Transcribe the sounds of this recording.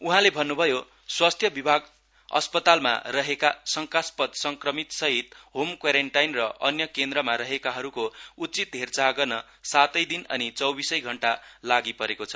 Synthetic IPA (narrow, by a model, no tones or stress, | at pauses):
uɦãlebʱʌnːubʱʌjo | swast̪ʰjʌbibʱaɡ | ʌ̰spʌt̪alma̰rʌɦekasʌŋkaspʌd̪sʌŋkrʌmit̪sʌɦit̪ɦomkwaɾeɳʈajnrʌʔʌnjʌkend̪ɾʌmaɾʌɦekaɦʌɾukout͡sit̪ɦert͡saɡʌrnʌ | sat̪ʌjd̪inʌ̰nit͡sʌwbisʌjɡʱʌɳʈalaɡipʌɾekot͡sʰʌ̥